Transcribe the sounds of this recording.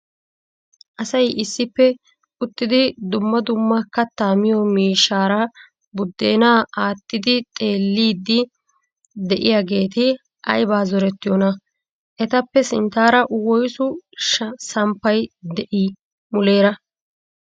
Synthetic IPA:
ʔɐsɐjʔɪsːɪpːɛ | ʊt̪ːɪd̪ɪd̪ʊmːɐd̪ʊmːɐkːɐt̪ːaːmɪjɔmiːʃːaːɾɐ | bʊd̪ːeːnaːaːt̪ːɪd̪ɪt̪ʼe̞ːlːiːd̪ːɪ | d̪ɛʔɪjaːɡe̞ːt̪ɪ | ʔɐ̰jbaːzɔɾɛt̪ːɪjɔnɐ | ʔɛt̪ɐpːɛsɪnt̪aːɾɐʔwɔjsʊʃsɐmpːɐjd̪ɛʔi | mʊle̞ːɾɐ

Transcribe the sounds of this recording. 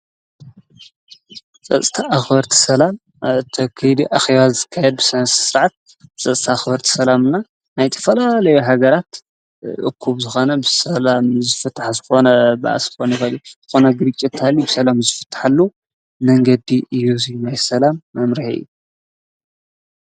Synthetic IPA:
t͡sʼɐt͡sʼt̪ʰaʔːxbɐɾt̪ʰi̥sɐlam | t̪ʰɐkʰɐjd̪iʔaxeβazɨkʰːajɛd̪̚bɨsɐnssɨɾʕat̪̚ | t͡sʼɐt͡sʼt̪ʰaxbɐɾt̪ʰi̥sɐlamɨnːa | najt̪ʰɐ̥fɐlalɐjuɦaɡɐɾat̪ | ʔɨ̰kʰːuβzɨxo̞nɐbɨsɐlamzɨfɨt̪ʰːḁħzɨxo̞nɐbɐʔa̰sɨ̥xonjixɐljuz̥ɨxo̞nɐɡɨɾt͡ʃʼːit̪ːʰalibɨsɐlamzɨfɨ̥t̪ʰːḁħalːu | mɐŋɡɐd̪iʔɨjːuzijnajsɐlamːɐmɾiħʔɨ̰jːu

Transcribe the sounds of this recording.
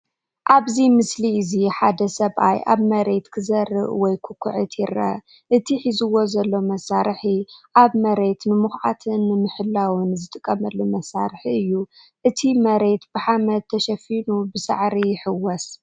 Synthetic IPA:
ʔaβzimɨsliɨziħad̪ɐsɐβʔa̰jʔa̰βmɐɾe̞t̪kʰɨzɐɾːɨ̰ʔwɔjkʰɨkʷʰʊʕɨt̪ʰjɪɾɐ̰ | ʔɨt̪ʰiħizɨwo̞zɐlːo̞mɐsaɾħiʔaβmɐɾe̞t̪nɨmuxʕat̪ʰɨnːɨmɨħɨlːawɨnzɨt̪ʼɨkʼːɐmɐlːumɐsaɾħiɨjːu | ʔɨt̪ʰimɐɾe̞t̪b̥ɨħamɐd̪̚t̪ʰːɐʃɐfinubɨsa̰ʕɾijħɨwɔs

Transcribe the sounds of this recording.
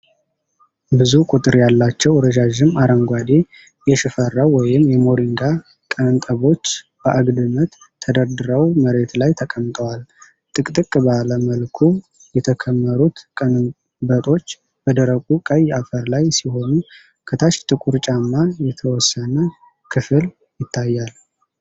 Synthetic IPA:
bɨzukʷʼut̪ʼɨɾjalːat͡ʃːɛwɾəd͡ʒaʒɪmaɾəŋɡʷad̪e̞ | jɛʃɨfərːawwɔjɪmːjɛmo̞ɾiŋɡa | kʼənt̪ʼəβo̞t͡ʃː | b̥əʔaɡd̪ɨmət̪ʰːəd̪əɾd̪ɨɾəwməɾe̞t̪lajt̪ʰəkʼəmt̪ʼəwal | t̪ʼɨkʼt̪ʼɨkʼbaləməlkʰu | jɛt̪ʰəkʰəmːəɾut̪kʼənɨ | bət̪ʼo̞t͡ʃː | b̥əd̪əɾəkʼukʼəjafəɾlajsiho̞nu | kʰɨt̪ʰat͡ʃt̪ʼɨkʼuɾt͡ʃʼamːajɛt̪ʰəwɔsːənə | kʰɨfɨl | jɪt̪ʰːajːal

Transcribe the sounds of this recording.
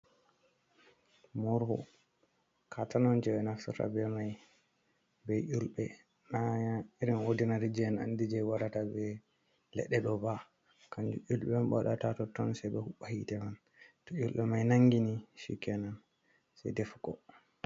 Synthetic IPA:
mɔɾhɔ̰ | kʰatanɔnd͡ʒɛbɛnafsuta̰bɛmaj | bɛjʔulɓɛ | naaiɾinodinaɾid͡ʒɛna̰ndid͡ʒɛwaɾatabɛ | lɛ̰ɗɛɗɔba | kand͡ʒṵʔulɓɛmɓɔ̰ɗatatɔtɔnsabɛhuɓahitɛman | tɔulɓɛmajnaŋɡiniʃḭkːɛnan | sɛ̰jdɛfɡɔ

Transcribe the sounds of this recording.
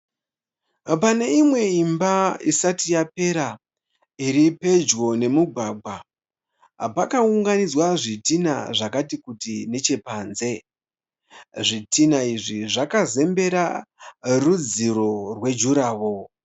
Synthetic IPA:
pane̞imwe̞imbaisatijape̞ɾa | iɾipe̞d͡ʒɣo̞ne̞muɡʱwaːɡ͡bʱwa | pakauŋɡanid͡zwaʐitina̰ʐakatikutine̞t͡ʃe̞paːnze̞ | ʐitinaiʐiʐakaze̞mbe̞ɾa | rud͡ziɾo̞rwe̞d͡ʒuɾaːwo̞

